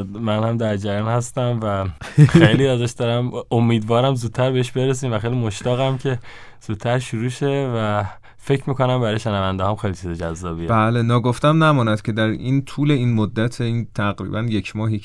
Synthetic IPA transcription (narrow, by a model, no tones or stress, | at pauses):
mænhæmd̪æɾd͡ʒæɾjɒːnhæst̪æmvæxejliːæzæʃd̪ɒɾæmomːiːd̪vɒːɾæmzuːd̪̚t̪ʰːæɾbeeʃbe̞ɾes̬iːmvæxejlimo̞ʃt̪ɒːɣæmcʰe̞ | z̥uːd̪̥̚t̪ʰːæɾʃuɾuːʃe̞væ | fe̞cʰmiːko̞næmbæɾɒːjeʃenævænd̪hɒːmxejlit͡ʃʰized͡ʒæzːɒːbiːebæːlenɒːɡoft̪æmnæmɒːnæd̪̥cʰe̞d̪æɾint̪ʰuːle̞iːnmod̪ːæt̪ʰeint̪ʰæɣɾḭːbænjecʰmɒːɦi